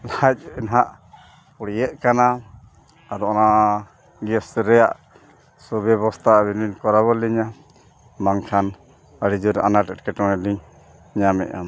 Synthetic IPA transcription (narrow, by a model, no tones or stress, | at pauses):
lac̚inɦaʔ | puɽijɛʔ̚kana | ad̪ɔɔna | ɡɛsɾɛja̰ʔ | sɔbɛβɔst̪ʰabininkɔɾaβɔliɲa | maŋkʰan | əɽid͡ʒuɾa̰naʈɛʈ̚kɛʈɔŋɛliɲ | ɲamɛ̰ʔa̰m